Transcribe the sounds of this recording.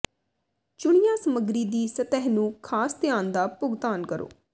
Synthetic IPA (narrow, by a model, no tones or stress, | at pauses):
t͡ʃʊɽɪjãːsəməɡɾiːd̪iːsət̪ɛɦnũːkʰaːst̪ɪjaːnd̪aːpʊɡt̪aːnkəɾo̰ː